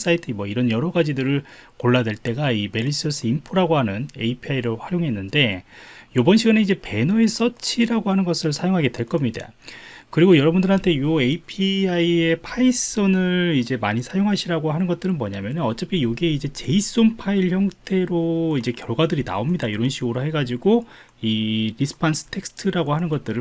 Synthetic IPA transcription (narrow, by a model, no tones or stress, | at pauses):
s͈aitʰɯmwʌiɾʌnjʌɾʌɡad͡ʑidɯɾɯɭ | koɭːadwe̞ɭt͈e̞ɡaime̞ɾis͈ɯʌs͈ʰɯimpʰoɾaɡoɦanɯneipʰiaiɾɯɭɸwaɾjoŋɦe̞nːɯnde̞jobʌnɕʰiɡaneid͡ʑe̞pe̞nʌe̞s͈ʌt͡ɕʰiɾaɡohanɯnɡʌsʰɯɭsʰajoŋɦaɡe̞dwe̞ɭk͈ʌmɲida̰kɯɾiɡojʌɾʌbundɯɭɦantʰe̞joeipʰiaie̞pʰais͈ʌnɯɾid͡ʑe̞maɲisʰajoŋɦaɕʰiɾaɡoɦanɯnɡʌt̚t͈ɯɾɯnmʌɲamjʌnɯnʌt͡ɕ͈epʰijoɡieid͡ʑe̞t͡ɕe̞is͈ompʰaiɭçjʌŋtʰe̞ɾoid͡ʑe̞kjʌɭɡwadɯɾina̰omɲidajoɾʌnɕʰiɡoɾoɦe̞ɡad͡ʑiɡo | iɾisʰɯ̥pʰansʰɯ̥tʰe̞k̚sʰtʰɯɾaɡoɦanɯnɡʌt̚t͈ɯɾɯ